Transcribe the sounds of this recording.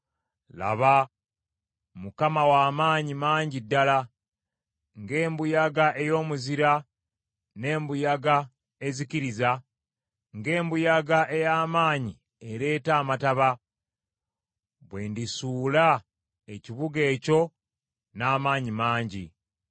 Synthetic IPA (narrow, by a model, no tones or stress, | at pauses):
la̰βa | mukamawaːmaːɲimaːɲɟidːala | ŋɡe̞ːmbujaɡaʔejo̞ːmuziɾa | ne̞ːmbujaɡa | e̞ziciɾiza | ŋɡe̞ːmbujaɡaʔe̞jaːmaːɲi | e̞ɾe̞ːtaːmataβa | βwe̞ndisuːla | e̞ciβuɡe̞ːco̞ | naːmaːɲimaːɲɟḭ